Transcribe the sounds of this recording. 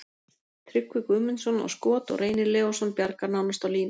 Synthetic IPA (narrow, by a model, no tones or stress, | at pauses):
t̪ʰɾʏkvʏkʏmɪnsɔnɔ̰wskɔːt̪ɔ̰ɣrʔeːjnɪɾlɛːvɔsɔnpjaɾkaɾnawnast̪awliːnɪ